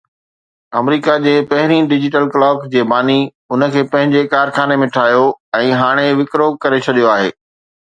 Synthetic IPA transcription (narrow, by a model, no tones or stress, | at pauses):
ɐmɾiːkad͡ʑeːpɐɦɪɾiɖɪd͡ʑɪʈəlklɔːkd͡ʑeːbaːni | ʊnə̆kʰeːpɐ̃ɦɪ̃ɲd͡ʑekaːɾxaːnemẽʈʰaːjoɛ̃ːɦaːɽ̃eʋɪkɾokɐɾet͡ɕʰɐɗijoaːɦḛː